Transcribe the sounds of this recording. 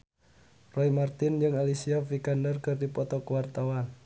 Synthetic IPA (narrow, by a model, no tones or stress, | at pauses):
rɔimart̪ɪnd͡ʒɨŋalisiavikandərkɨrdipɔt̪ɔkəwart̪awan